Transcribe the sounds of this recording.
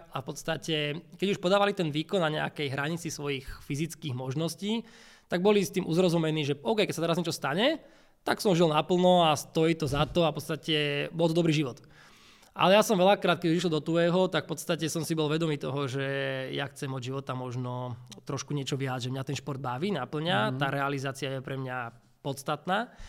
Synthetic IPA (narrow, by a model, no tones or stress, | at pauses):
afpɔt̪st̪acɛkɛɟuʃpɔd̪aːʋalit̪ɛnʋiːkɔnːaɲɛa̰kɛjɦɾaɲit͡sisʋɔjixfizit͡skiːɣmɔʒnɔsciː | t̪aɡ̚bɔlist̪iːmʔuzɾɔzumɛniːʒɛʔɔʊkɛjkɛcsat̪ɛɾazɲɛt͡ʃɔst̪aɲɛ | t̪a̰ksɔmʒilnapl̩nɔast̪ɔjit̪ɔzat̪ɔafpɔtt͡st̪acɛbɔlt̪ɔd̪ɔbɾiːʒiʋɔt̪ | ʔa̰lɛjasɔmʋɛlakɾaːt̪kɛuiʃ̬lɔd̪ɔt̪uɛɦɔt̪akfpɔt̪t͡st̪acɛsɔmsibɔlʋɛd̪ɔmiːt̪ɔɦɔʒɛjaxt͡sɛmɔd͡ʑʒiʋɔt̪amɔʒnɔt̪ɾɔʃkuɲɪɛt͡ʃɔʋɪad͡zʒɛmɲat̪ɛnʃpɔɾd̪̚baʋiːnapl̩ɲat̪aːɾɛalizaːt͡siɪajɛpɾɛmɲa | pɔt̪st̪at̪naː